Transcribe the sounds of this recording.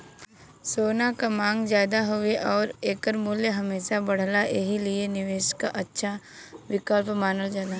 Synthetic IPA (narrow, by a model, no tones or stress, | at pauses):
soːnakamãːŋɡzjaːd̪aɦʊeʔɔːɾeːkəɾmʊljəɦɐmeːʃabɐɽ̤laʔeɦilienɪʋeːʃkaʔɐtːʃʰa | ʋɪkəlpmaːnəld͡ʒalaː